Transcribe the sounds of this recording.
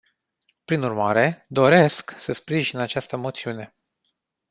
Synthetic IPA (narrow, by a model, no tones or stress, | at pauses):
pɾinurmaɾe̞d̪o̞ɾe̞sksəspɾiʒinat͡ʃast̪əmo̞t̪siune̞